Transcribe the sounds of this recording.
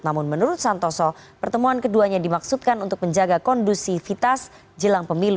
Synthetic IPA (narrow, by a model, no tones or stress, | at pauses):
namʊnmənuɾʊt̪̚sant̪ɔsɔpərt̪əmuankəduaɲadimaksut̪̚kanunt̪ʊk̚məɲd͡ʒaɡakɔndusifit̪as | d͡ʒəlaŋpəmilu